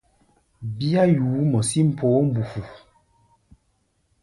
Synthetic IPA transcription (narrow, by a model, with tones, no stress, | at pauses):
bi˦a˦juː˨˦mɔ˨si˦m̩˨pʰoː˨˦m̩˨bu˨fu˨